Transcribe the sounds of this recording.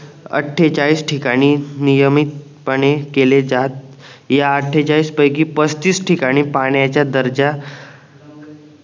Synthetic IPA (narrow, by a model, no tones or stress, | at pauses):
ə̰ʈʰːet͡ɕaɭiːsʈʰikaɽ̃iːnijəmit̪̚ | pəɽ̃ekeled͡zat̪̚ | jaəʈʰːet͡ɕaɭiːspəjkiːpəst̪iːsʈʰikaɽ̃iːpaɽjat͡ɕjad̪əɾd͡ʑa